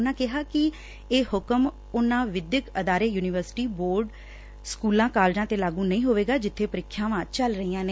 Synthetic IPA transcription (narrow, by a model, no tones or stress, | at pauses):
ʊnãːkɪɦaːkɪ | eːhʊkəm | ʊnãːʋɪd̪jəkəd̪aːɾeːjuːnɪʋəɾsɪ̥ʈiːboːɾɖ | skuːlãːkaːld͡ʒãːt̪eːlaːɡũːnəĩːɦoːʋeːɡaːd͡ʒɪt̪ʰːeːpəɾɪkʰːjãːʋãːt͡ʃəlɾəiːãːneː